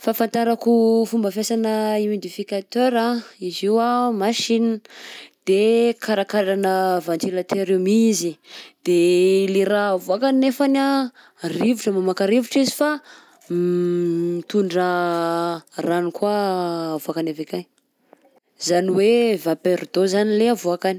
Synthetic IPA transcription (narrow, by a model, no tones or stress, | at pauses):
fafant̪aɾakufumbəfjasanəimid̪ifikat̪øɾaiziwamaʃinəd̪̥ekʰaɾakaɾanəvand͡ʒelat̪ʰeɾumizid̪̥eleravuakanefana | rivuʈ͡ʂəmamakaɾivuʈ͡ʂizifa | it̪uɳɖ͡ʐə | ranikwaːvuakanavekan | zaniwevapeɾd̪ozanileavuakani̥